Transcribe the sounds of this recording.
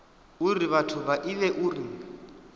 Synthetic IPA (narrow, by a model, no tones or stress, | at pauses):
uriβatʰʊβaʔilɛʔuri